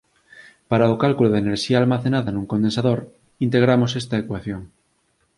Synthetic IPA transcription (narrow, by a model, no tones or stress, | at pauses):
paɾaokalkuloðeneɾʃiaːlmaθenaðanũŋkond̪ensaðoɾ | int̪eɣ̞ɾamosest̪aekwaθjoŋ